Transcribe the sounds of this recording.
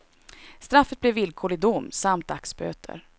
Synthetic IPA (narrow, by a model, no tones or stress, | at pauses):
st̪ɾafːət̪̚blɛvːɪlkʰoːɭɪd̪ʊmːsamt̪̚d̪aksbø̰ːt̪ʰə̰ɾ